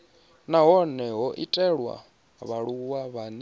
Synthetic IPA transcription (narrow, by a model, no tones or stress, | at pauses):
naɦɔnɛɦɔʔitʼɛɺwa̰ | βaɺuwaβani